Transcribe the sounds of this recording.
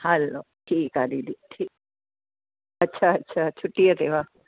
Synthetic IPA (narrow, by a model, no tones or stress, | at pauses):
hɛloːʈʰiːkɦad̪id̪iʈʰiː | ɐtːʃʰaɐtːɕʰat͡ʃʰʊʈːijat̪eʋa